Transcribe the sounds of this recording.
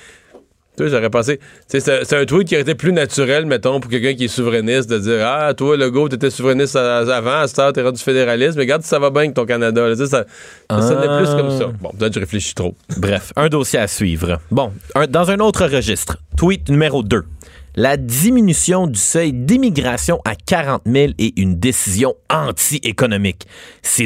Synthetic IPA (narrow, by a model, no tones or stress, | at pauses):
t̪waʒaʁɛpɑ̃s̬et͡sesɛsɛt̪ɛ̃t̪wɪt̪̚kʲjɔʁet̪eplynat͡syʁɛlmɛt̪ɔ̃puʁkʲɛlk̬ʲœ̃k̬ʲiɛsuvʁɛnɪst̪̚d̪əd͡ziːʁat̪waləɡot̪yet̪ɛsuvʁɛnɪst̪aavãast̪ɑʁt̪ɛʁɑ̃d̪y̥fed̪eʁalɪsmɛɡaʁd̪si̥savɔbɛ̃k̚t̪ɔ̃k̬anad̪alət͡ses̬a | sɛnɛplykɔmsʌbɔ̰̃pət̪ɛt̪ʒəʁefleʃi̥t̪ʁobʁɛfœ̃d̪osjeasɥḭːvʁəbɔ̃œ̃d̪ɑ̃zœ̃not̪χəʁəʒist̪χt̪wɪt̪̚nymeʁod̪ø | lad̪iminysjɔ̃d̪ysœjd̪imiɡʁasjɔ̃ʔakʲaʁɑ̃t̪mɪleʔynd̪esizjɔ̃ɑ̃t̪iʔekɔnɔmɪkse